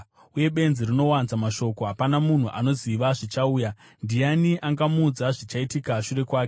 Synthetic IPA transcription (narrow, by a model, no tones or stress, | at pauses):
uje̞ɓe̞nzirino̞wanzamaʃo̞ko̞ɦapanamun̤uʔa̰no̞ziʋaʐit͡ʃauːja | ndijaniʔaŋɡamud͡zaʐit͡ʃaitikaʃure̞kwaːke